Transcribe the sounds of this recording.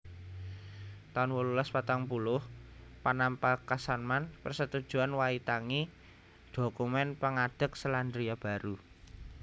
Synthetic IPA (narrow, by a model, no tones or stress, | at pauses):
t̪anwululaspat̪aŋpulʊhpanampakasanmanpərsət̪ud̥ʒ̥ṳanwait̪aŋi | d̪̥o̤kumɛnpəŋad̥ə̤k̚səland̪ɾiab̥a̤ɾu